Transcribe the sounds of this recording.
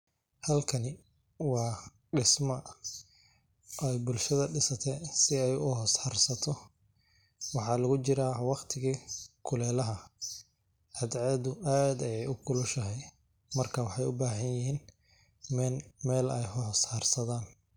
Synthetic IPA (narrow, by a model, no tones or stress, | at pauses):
hɐlkʰɐnɪ | wɑː | ɖɪsmɐ | ʔɛjbʊlʃɐðɐɖɪsɐt̪ʰɛsɪɛjʊhɔːshɐrsɐt̪ʰɔ | wɑħɑːlɐɣʊt͡ʃɪɾaːwɑqt̪ʰɪɣiːkʰʊlɛːlɐɦɐ | ʔɐd̪ʕɑd̪ʊʔaːd̪ɛjɛjʊkʰʊlʊʃɐɦɛj | mɐrkʰawɑħɑjʊbaːɦɐnjɪɦiːn | mɛmɛːlɛ̰jhɔɦɔshɐrsɐðaːn